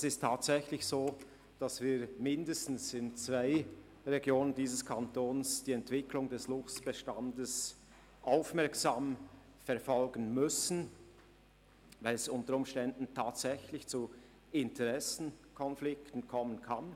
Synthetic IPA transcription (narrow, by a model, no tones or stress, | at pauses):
ɛsɪstʰːaːtsɛçlɪçsoː | d̥asv̥iːmɪndəstn̩sɪnt͡sv̥aɪ | ʁɛɡjoːnəndiːzəskʰantoːnsd̥iːɛntv̥ɪklʊŋdɛslʊft͡sb̥ɛʃtandəs | ʔaʊfmɛɐksaːm | fɛɐʁfɔlɡənmʏsn̩ | vaɪlɛsʊntəɾʊmʃtɛndn̩tʰaːtsɛçlɪçt͡su | ɪntʰɛʁɛsn̩kʰɔnflɪktən̩kʰɔmənkʰan